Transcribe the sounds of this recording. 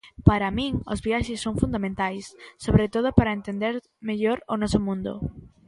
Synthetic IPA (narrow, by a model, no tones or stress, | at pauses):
paɾɐmĩŋo̰zβiaʃɪsːoŋfund̪amẽnt̪ajsːoβɾet̪oð̞ʊpaɾɐent̪end̪eɾ | meʎoɾʊnɔsʊmũnd̪ʊ̰